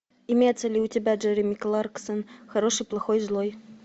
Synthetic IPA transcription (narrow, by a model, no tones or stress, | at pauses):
imʲet̪sːɐlʲiutʲɪbʲaʐɛɾʲɪmʲiklˠarksənxɐɾɔʂɨjplˠɐxɔjzlˠɔj